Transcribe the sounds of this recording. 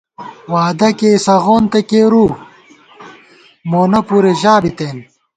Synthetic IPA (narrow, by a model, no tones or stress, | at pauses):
waːd̪ɐkesɐɣoːnt̪ekeːɾu | moːnɐpuɾeʑaːbit̪eːn